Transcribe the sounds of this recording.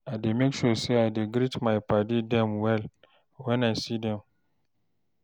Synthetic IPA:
aɪdemekʃoseaɪdiɡɾitmãɪpʰadidɛ̃mwɛl | wɛ̃nasidɛ̃m

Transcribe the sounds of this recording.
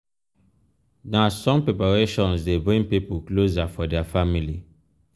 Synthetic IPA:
dãsɔ̃mpepaɹeʃɔ̃nsdebɹĩŋpipuklozafɔdɛafamili

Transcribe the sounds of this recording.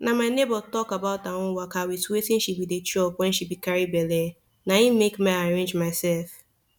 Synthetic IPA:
namaɪnebɔtɔkabaʊtaŋʊwakawitwetɪ̃n̩ʃipidet͡ʃɔpwɛ̃nʃibikaɹibɛle | naimekmaaɾẽnd͡ʒmaɪsɛlf

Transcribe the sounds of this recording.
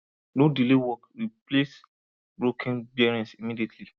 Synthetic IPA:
nodilewɔkɹiples | bɹokʰɛ̃nbɛɹɛ̃nsimidietʰli

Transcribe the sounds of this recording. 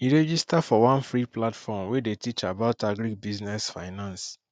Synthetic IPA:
iɹɛd͡ʒistafɔwãnfɹiplatfɔmwedetit͡ʃabaʊtaɡɾibiznɛsfaɪnãns

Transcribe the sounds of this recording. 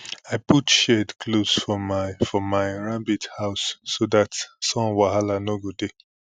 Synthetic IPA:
aɪputʃɛdkʰlosfɔmfɔmaɪɹabithaʊsːodatsɔ̃nwaɦalanoɡode

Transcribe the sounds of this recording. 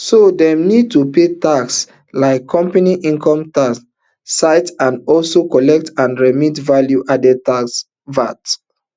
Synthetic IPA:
sodɛ̃mnid̚tupetaks | laɪkʰːɔ̃mpaniʔĩŋkʰɔ̃mtasː | aɪtãndɔlsokɔlɛk̚tãnɹɛmitvaljuʔadɛtaks | vat

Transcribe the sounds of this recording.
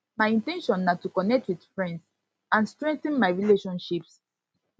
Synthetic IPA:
majĩntɛ̃nʃɔ̃nːatukɔnɛk̚twid̥fɹɛ̃nds | ãnstɹɛ̃ŋk̚θə̃nmajɹileʃɔ̃nʃips

